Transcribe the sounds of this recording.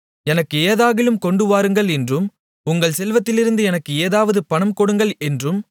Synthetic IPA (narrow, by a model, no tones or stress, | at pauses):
ɛnɐkːɯeːðaːɣɪlɯmkɔɳɖɯʋaːɾɯŋɡɐɭɛndrɯm | ʊŋɡɐɭsɛlʋɐt̪ːɪlɪɾɯnd̪ɯɛnɐkːɯeːðaːʋɐðɯpɐnɐmkɔɽɯŋɡɐɭɛndrɯm